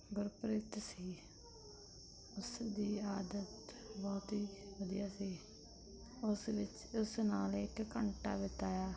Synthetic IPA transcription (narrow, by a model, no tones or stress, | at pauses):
ɡʊɾpɾɪt̪siː | ʊsd̪iːaːd̪ət̪ | bɔːt̪iːʋəd̪ijaːsiː | ʊsʋɪt͡ʃ | ʊsnaːlekkəɳʈa̰ːʋɪt̪aːjaː